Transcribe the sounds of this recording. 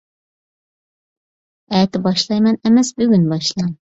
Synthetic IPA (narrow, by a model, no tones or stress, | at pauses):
ɛt̪ɪbɑʃlˠɑjmɛnɛmɛsbyɡʲynbɑʃlˠɑŋ